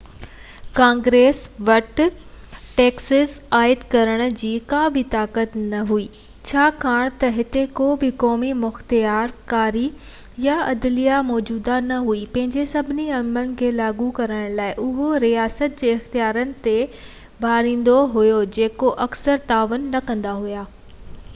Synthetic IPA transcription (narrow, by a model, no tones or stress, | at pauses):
kãːŋɡɾeːsʋɐʈ | ʈeːksəzaːɪd̪kɐɾəɽ̃̆d͡ʑiːkaːbit̪aːkət̪nɐɦuiː | t͡ɕʰaːkʰaːɽ̃t̪ɐɦɪt̪ekoːbɪkɔːmimʊxt̪ijaːɾkaːɾi | jaɐd̪lijamɔːd͡ʑuːd̪anɐɦuipɐ̃ɦɪ̃ɲd͡ʑesɐbʱɪniɐmənɪ̆kʰeːlaːɡukɐɾəɽ̃laːɪʔʊɦoɾijaːsət̪̚d͡ʑeːɪxt̪ijaːɾənɪ̆t̪e | bʱaːɾĩːn̆d̪oɦujod͡ʑeːkoʔɐksəɾt̪aːʋʊnːɐkɐ̃nd̪aɦujaː